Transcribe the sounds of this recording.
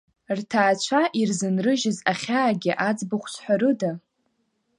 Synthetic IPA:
rtʰaːt͡ɕʷʰaʔirzɨnrɨʒɪzaχʲaːɡʲɪʔad͡zbɨχʷsʷʰħʷᶣaɾɨda

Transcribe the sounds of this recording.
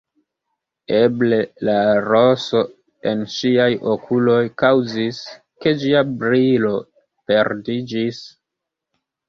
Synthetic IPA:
eble̞laɾoso̞ | e̞nʃiajokulo̞jkawzis | ke̞d͡ʒiabɾilo̞ | pe̞ɾdid͡ʒis

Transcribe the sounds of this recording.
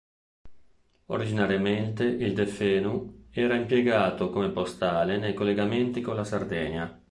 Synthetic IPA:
o̰ɾid͡ʒinaɾjament̪eʔild̪efɛːnuɛːɾaimpjeɡaːt̪okomepost̪aːlenejkolːeɡament̪ikolasard̪ɛːɲa

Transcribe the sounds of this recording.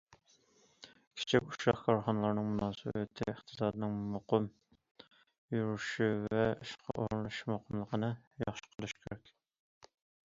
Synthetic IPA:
kʲʰi̥t͡ʃʰikʲu̥ʃɑχkʰɑɾχɑnəlˠɑɾnɨŋmunɑːsɨ̰bɪt̪ʰɪəχt̪ʰɨ̥sɑːd̪ɨnɨŋmoqəm | juɾuʃuvɛuʃqʰɑ̰ʔoɾlˠuʃmoqʰəmlˠəqʰənɨjɑχʃə̥qʰəlˠyʃkʲʰeɾɛkʲ

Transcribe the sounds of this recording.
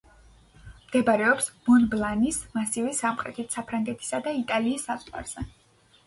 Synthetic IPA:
md̪̥ɛbaɾɛɔpsmɔnblˠanismasivɛsamχʼɾɛt̪ʰit̪ʰsapʰɾaŋɡɛt̪ʰi̥sad̪ait̪ʼaliːsːazʼʁʼwa̰ɾz̥ɛ

